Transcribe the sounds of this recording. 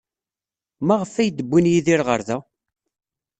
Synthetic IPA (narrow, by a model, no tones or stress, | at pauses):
maʁəfæjd̪əbʷːinjiðiɾʁə̰ɾðæ